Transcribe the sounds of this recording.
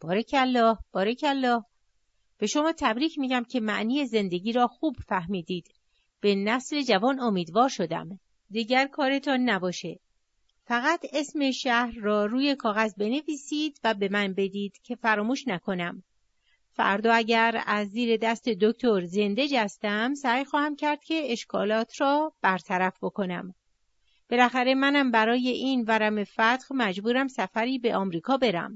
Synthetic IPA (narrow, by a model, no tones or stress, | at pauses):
b̥ɒːɾecʰælːɒːhb̥ɒːɾecʰælːɒːh | b̥e̞ʃo̞mɒːt̪ʰæbɾiːcʰmiːɟæmcʰe̞mæ̰ʔniːje̞ze̞nd̪e̞ɟiːɾɒːxuːb̥fæhmiːd̪iːd̪̥ | b̥e̞næsle̞d͡ʒævɒːno̞miːd̪vɒːɾʃo̞d̪æ̰m | d̪iːɟæɾkʰɒːɾe̞t̪ʰɒnːæbɒːʃe̞ | fæɣæt̪ʰe̞smeʃæhɾːɒːɾuːje̞kʰɒːɣæzbe̞ne̞viːsiːd̪̥væbe̞mænbe̞d̪iːd̪̥cʰe̞fæɾɒːmuːʃnækʰo̞næm | fæ̰ɾd̪ɒːæɟæɾæzːiːɾe̞d̪æst̪e̞d̪oct̪ʰo̞ɾze̞nd̪e̞d͡ʒæst̪æmsæjxɒːhæmcʰæɾd̪̥cʰe̞eʃkʰɒ̰ːlɒːt̪ʰrɒːb̥æɾt̪ʰæɾæfbo̞kʰo̞næ̰m | b̥e̞læxæɾe̞mænæmbæɾɒːje̞ʔiːnvæɾæme̞fæt̪ɣmæd͡ʒbuːɾæmsæfæɾiːbe̞ʔɒːmɾiːkʰɒːbe̞ɾæ̰m